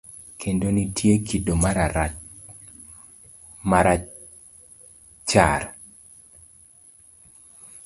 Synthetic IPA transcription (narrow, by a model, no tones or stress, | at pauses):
kʰendonitʰjekidomaɾaa | maɾa | t͡ʃa̰ɾ